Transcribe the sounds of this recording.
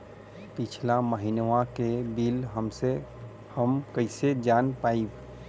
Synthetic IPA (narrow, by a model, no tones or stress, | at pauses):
pɪt͡ʃʰlaməɦinʋãkebilɦəmse | həmkəɪsed͡ʒaːnpaːib